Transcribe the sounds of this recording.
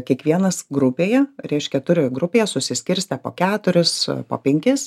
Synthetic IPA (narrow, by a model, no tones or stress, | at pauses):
kʲiɛkʋʲiɛnɐsɡɾʊpʲeːjɛɾʲɛɪʃʲkʲɛt̪ʊɾʲojɡɾʊpʲeːjɛsʊsʲɪsʲkʲɪɾʲsʲt̪ʲɛpo̰ːkʲæːt̪ʊɾʲɪspo̰ːpʲɛŋʲkʲɪs